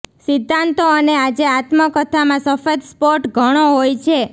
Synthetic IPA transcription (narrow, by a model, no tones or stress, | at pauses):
sɪd̪ʱːãnt̪oənead͡ʒeat̪məkət̪ʰamãsəfət̪spoɾʈɡʱəɽ̃oɦojt͡ʃʰe